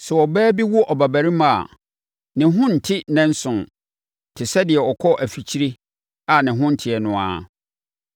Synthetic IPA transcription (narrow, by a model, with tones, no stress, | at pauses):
sɛ˨ɔ˨bɛː˦bi˦wʊ˦ʔɔ˨ba˨bæ˨ɾi˦mã˨a̰˨ | nɪ̃˨ɦʊ̃˦n̩˨tʰɪ˦nɛ̃˦n̩˦sʊ̃˨n˨ | tʰɪ˨sɛ˦dɪ˨ɛ˨ɔ˨kʰɔ˦ʔæ˨fi˨t͡ɕʰi˦ɾe˦ | a˨nɪ̃˨ɦʊ̃˦n̩˨tʰɪ˨ɛ˨nʊ̃˨a̰ː˦